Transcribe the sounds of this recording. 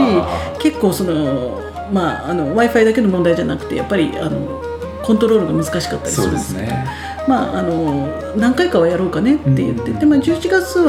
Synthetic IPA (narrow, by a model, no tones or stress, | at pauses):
ike̞kːo̞ːso̞no̞ | maːno̞βaiɸaid̪akeno̞mõnd̪aid͡ʑanakɯ̟̥t̪e̞ja̰pːaɾʲḭa̰no̞̰ | kõ̞nt̪o̞ɾo̞ːɾɯ̟ɡamɯ̟zɨ̥kaɕi̥kat̪ːaɾʲi̥sɨɾɯ̰eso | maa̰no̞ | nãŋkaikaβajaɾo̞ːkane̞t̪ːe̞̰jɯ̟̰t̪ːe̞t̪ːe̞maːd͡ʑɨːit͡ɕiɡat͡sɨβ